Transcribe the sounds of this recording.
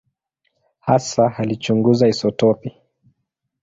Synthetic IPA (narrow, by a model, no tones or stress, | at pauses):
hasahalit͡ʃuŋɡuzaisɔtɔpi